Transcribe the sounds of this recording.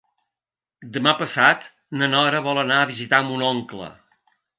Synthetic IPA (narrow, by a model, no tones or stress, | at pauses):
d̪əmapəsat̪ | nənɔɾəβɔlˠənaəβizit̪amunɔŋklə̰